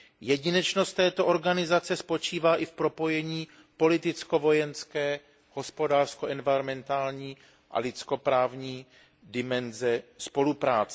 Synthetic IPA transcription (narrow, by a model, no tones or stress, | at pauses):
jɛɟɪnɛt͡ʃno̞st̪ːɛːt̪o̞ʔo̞ɾɡanɪzat͡sɛspo̞t͡ʃiːvaːʔɪfpɾo̞po̞jɛɲiː | po̞lɪt̪ɪt͡sko̞vo̞jɛnskɛː | ho̞spo̞daːrskoʔɛnvɪɾomɛnt̪aːlɲiː | ʔa̰lɪt͡sko̞pɾaːvɲiː | dɪmɛnzɛspo̞lupɾaːt͡sɛ